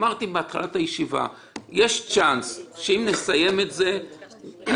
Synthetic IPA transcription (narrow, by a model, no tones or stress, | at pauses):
maʁt̪ibeat̪χalathajeʃiva̰ | je̞ʃt͡ʃansʃeimne̞saje̞metze